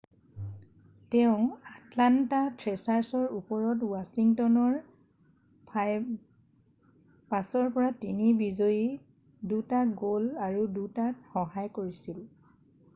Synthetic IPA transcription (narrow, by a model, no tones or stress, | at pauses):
tɛʊ̃atlantatɹɛsaɹsɔɹupɔɹɔtwasiŋtɔnɔɹ | pj | pasɔɹpɔɹatinibizoji | dutaɡolaɹudutakxɔɦajkoɹisil